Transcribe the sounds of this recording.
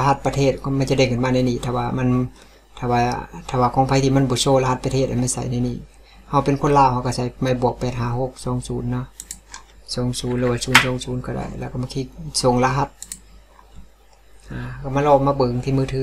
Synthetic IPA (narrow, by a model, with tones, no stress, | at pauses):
a˧ɦa˧t̪̚pa˧t̪ʰeː˧˩t̪̚kʰɔ˧ma˧˨nt͡ɕa˧˦da˧˩˨kʰɯː˧˨nmaː˧na˧jniː˧˨t̪ʰaː˧˩waː˧˩ma˧˥˨n | t̪ʰa˧˩waː˧t̪ʰaː˧˩waː˧˩kʰɔː˧˦ŋpʰa˧jt̪ʰiː˧˨ma˧˥˨nbɔː˧˦soː˧˨la˧ha˧t̪̚pa˧t̪ʰeː˧˩t̪̚ʔa˧˩jma˧˥˩jsa̰˨˦jna˧˨jniː˧˩˨ | ha˧˩wpe˨nkʰo˧˥˨nlaː˧˨wha˧wka˧˩sa˨˦jma˧˩jbu˨˩ək̚pɛː˨˩t̪̚ɦaː˧˩ho˧˥k̚sɔː˨˦ŋsuː˨˦nːɔ˧˨ | sɔː˨˦ŋsuː˨˦nlɯː˧waː˧˨suː˨˦nsɔː˨˦ŋsuː˨˦nkɔː˧˩da̰ː˧˨jlɛː˧wka˧˩maː˧˩kʰiː˧˨so˨˦ŋla˧ɦa˧˩t̪̚ | ʔaː˧˩kma˧˥˨lɔː˧˩maː˧˨bɤː˨˦ŋt̪ʰiː˧˨mɯː˧˩t̪ʰɯː˨˧˦